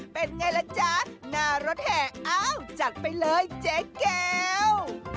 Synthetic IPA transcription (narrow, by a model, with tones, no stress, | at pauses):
ɓe˨˩n̚ŋa˧˩jlə˨˦t͡ɕaː˨˧˦tnaː˨˩zo˨˦˥t̚hɛ˧˩ʔaː˧wt͡ɕa˨˩t̚ma˧jləː˨˦jt͡ɕe˨˦ke˧w